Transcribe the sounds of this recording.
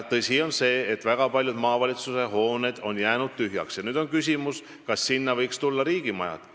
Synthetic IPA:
t̪ɤsʲio̞nse̞ːet̪ːvæɡ̥ɑpɑlʲjud̪̥mɑːvɑlʲit̪suse̞ɦo̞ːned̪̥o̞njæːnud̪̥̚t̪yɦjɑ̰ksjɑnyːd̪̥o̞nkysʲimus | kɑsːinːɑvɤjkst̪ulːɑɾiːɡ̥imɑ̰jɑ̰d̪̥

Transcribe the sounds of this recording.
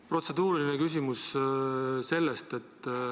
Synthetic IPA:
pro̞t̪se̞d̪̥uːɾilinekys̬ʲimus | se̞lːest̪e̞t̪ː

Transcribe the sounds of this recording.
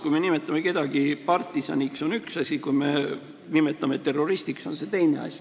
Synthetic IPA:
kujme̞nime̞t̪ːˑɑmeke̞d̪̥ɑɡ̥ipɑrt̪ˑːisɑ̰nʲikso̞nyksɑsʲikujme̞ | nimet̪ːˑɑmet̪ːe̞ro̞ɾist̪ikso̞nse̞t̪e̞jne̞̰ɑ̰sʲi̥

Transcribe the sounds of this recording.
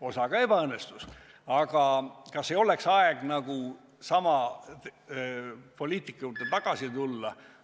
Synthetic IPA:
o̞sɑɡ̥ɑe̞b̥ɑɤnːest̪us | ɑɡ̥ɑkɑsːeo̞leksɑeɡ̥nɑɡ̥u | sɑmɑ | po̞lʲiːt̪ˑikːˑut̪ːet̪ɑɡ̥ɑsit̪ulːɑ

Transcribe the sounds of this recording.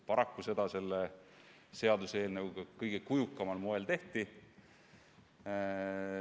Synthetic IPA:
pɑɾɑkːuse̞d̪̥ɑse̞lːe | se̞ɑd̪useːlneukɤjɡ̥ekujukːˑɑmɑlmoe̞lt̪e̞ht̪i

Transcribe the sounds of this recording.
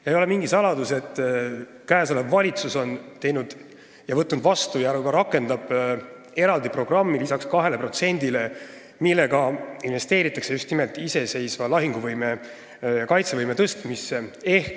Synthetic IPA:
jɑejo̞le̞miŋɡisɑlɑd̪use̞t̪ːˑ | kæːsolevːɑlʲit̪suso̞nt̪e̞jnud̪̥ | jɑvɤt̪ːˑnud̪̥vɑst̪ujɑɾukɑɾɑkːˑe̞nd̪ɑb̥ | e̞ɾɑld̪ipro̞ɡ̥rɑmːilisɑkskɑɦe̞le̞pro̞t̪se̞nʲd̪̥ile̞ | milːe̞ɡɑinve̞st̪e̞ːɾit̪ːˑɑkse̞just̪nimelt̪ˑise̞se̞jsvɑlɑɦiŋɡ̥uvɤjme̞ | jɑkɑjt̪se̞vɯjme̞t̪ɤst̪misːee̞hk

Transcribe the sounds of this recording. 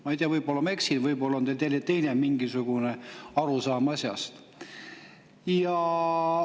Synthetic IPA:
mɑijt̪eɑvɤjbo̞lːɑme̞ksinvɤjbo̞lːɑont̪elt̪elʲet̪e̞jnemiŋɡisuɡ̥uneɑɾusɑːmɑsʲjɑ̰st̪ | jɑ

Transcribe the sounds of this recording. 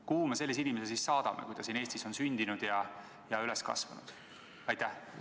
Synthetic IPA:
kuːmese̞lːis̬inimesesisːɑːd̪̥ɑmekujd̪ɑsiːne̞ːsʲt̪iso̞nsynʲd̪inud̪̥jɑ | jɑyleskɑ̰svɑ̰nṵd̪̥ | ɑjt̪æh

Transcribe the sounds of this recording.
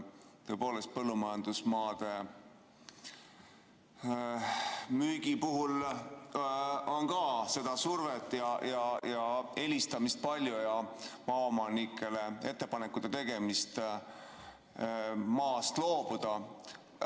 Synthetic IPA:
t̪ø̞ːpo̞ːle̞st̪̚pɤlːumɑjɑnd̪̥usmɑːd̪̥e̞ | myːɡ̥ipuɦul | o̞nkɑse̞d̪̥ɑsurvet̪ːˑjɑjɑjɑe̞lʲist̪ɑmist̪̚pɑlʲjujɑmɑːomɑnikʰːˑe̞le̞e̞t̪ːe̞pɑnekːˑut̪ːet̪e̞ɡe̞mist̪ | mɑːst̪lo̞ːb̥ud̪̥ɑ

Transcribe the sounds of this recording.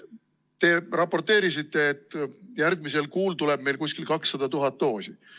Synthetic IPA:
t̪e̞rɑpːo̞rt̪e̞ːɾisit̪ːe̞ːt̪ːˑjæɾɡ̚mise̞lkuːlt̪ule̞b̥̚me̞jlkusʲkilkɑksːɑd̪̥ɑt̪uɦɑt̪ːo̞ːsi

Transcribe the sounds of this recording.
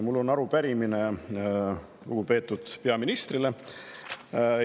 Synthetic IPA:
mulːo̞nːɑɾupæɾimine | luɡ̥upe̞ːt̪ːˑud̪̥pe̞ɑminist̪rile

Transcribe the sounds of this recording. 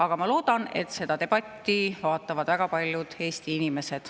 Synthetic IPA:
ɑɡ̥ɑmɑlo̞ːd̪̥ɑne̞̰t̪se̞d̪ɑt̪e̞b̥ɑt̪ʲːivɑːt̪ːˑɑvɑd̪̥væɡ̥ɑpɑlʲjud̪̥e̞ːst̪iinime̞se̞d̪̥

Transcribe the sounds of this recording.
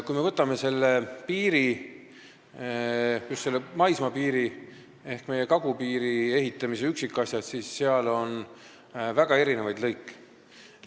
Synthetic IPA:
kujme̞vɤt̪ːˑɑme̞se̞lːepiːɾi | just̪selːemɑjsmɑpiːɾi | e̞hkme̞je̞kɑɡupiːɾie̞ɦit̪ːˑɑmiseyksikːˑɑsʲjɑd̪sisːeɑlo̞n | væɡ̥ɑe̞ɾinevɑjd̪̥lɤjkːˑ

